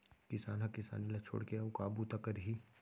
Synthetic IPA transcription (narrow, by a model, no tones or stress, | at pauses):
kɪsaːnɦãkɪsa̰ːnilat͡ʃʰo̰ːɽkeaʊkaːbut̪akɐɾɦi